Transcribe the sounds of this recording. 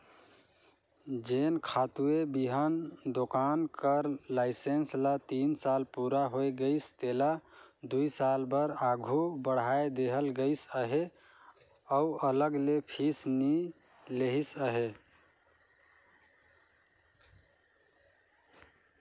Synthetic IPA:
d͡ʒenkʰat̪uebiɦənd̪okankəɾlaɪsenslat̪insalpuɾaɦojɡəɪst̪elad̪uisalbəɾaɡʱubəɽ̤ajed̪eɦəlɡəɪsəɦe | əuələɡlepʰisni | leɦisəɦe

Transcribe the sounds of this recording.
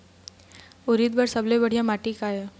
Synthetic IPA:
uɾiːd̪̚bəɾsəblebəɽ̤jãmaʈiːkaje

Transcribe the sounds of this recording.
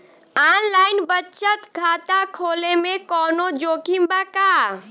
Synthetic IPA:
aːnlaːɪnbətːt͡ʃət̪kʰaːt̪akʰoːlemẽkɔːnod͡ʒoːkʰimbaka

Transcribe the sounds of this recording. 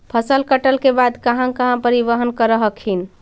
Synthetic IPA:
pʰəsəlkəʈəlkebad̪kəɦãkəɦãpəɾibəɦənkəɾəɦəkʰɦin̆

